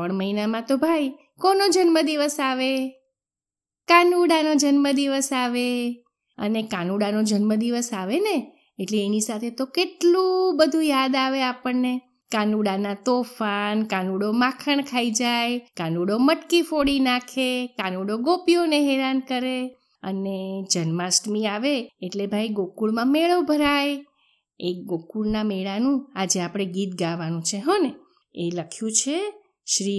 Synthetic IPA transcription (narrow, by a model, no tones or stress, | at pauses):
əɳməɦinamãt̪obʱaj | konod͡ʒənməd̪iʋəsaʋe | kanuɽanod͡ʒənməd̪iʋəsaʋe | ə̰nekanuɽanod͡ʒənməd̪iʋəsaʋene | eʈleːnisat̪ʰet̪okeʈlubəd̪ʱujad̪aʋeapəɳne | kanuɽanat̪ofankanuɽomãkʰəɳkʰaid͡ʒajkanuɽoməʈkifoɽinakʰekanuɽoɡopijoneɦeɾankəɾe | ə̰ned͡ʒənmasʈmiaʋeːʈlebʱajɡokuɭmãmeɭəʋbʱəɾaj | eɡokuɽnameɭanũad͡ʒeapɽ̃eɡit̪̚ɡaʋanũt͡ʃʰeɦɔne | eləkʰjũt͡ʃʰe | ʃɾi